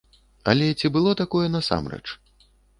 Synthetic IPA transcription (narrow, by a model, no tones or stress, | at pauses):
ɐ̰lʲɛt͡sʲibɨlˠɔt̪akɔjɛnɐsa̰mrɛ̰t͡ʂ